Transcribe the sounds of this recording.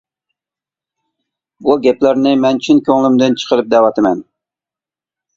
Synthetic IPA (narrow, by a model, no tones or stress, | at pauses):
buɡʲɛplæɾnɪmɛnt͡ʃʰinkʲʰøŋlɪmd̪ɨnt͡ʃʰə̥qʰəɾɨp̚d̪ɛwɑt̪ɨmɛn